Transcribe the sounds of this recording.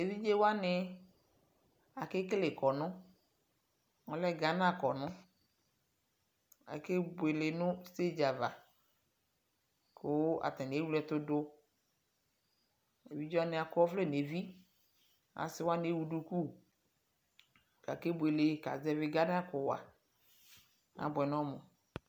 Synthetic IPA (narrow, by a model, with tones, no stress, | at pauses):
e˨vi˦d͡ʒe˦wa˦nɪ˨ | a˨kɪ˦kle˨kɔ˨nʊ̃˦ | ɔ˦lɛ˦ɡa˨n˦a˦˨kɔ˨nʊ̃˦ | a̰˨ke˦be˨le˨nʊ̃˦se˦d͡ʒa˨va˨ | kʰo˨˦a̰˨t̪ɛ˨n˨e˦wu˦lɛ˦t̪ʊ˦dʊ˦ | e˨vi˦d͡ʒɔ˦a˦nɪ˨a˨kɔ˦fle˦˨ne˨vi˦ | a̰˨sɪ˦wa˦ne˦wu˨du˦ku˦˨ | ka̰˨ke˦bʷe˨le˨˦ka̰˨zɛ˦vɪ˨ɡa˦n˦a˦kʊ˨wa̰˨ | a̰˨bʊ˨ɛ˨nɔ̃˦mɔ̃˨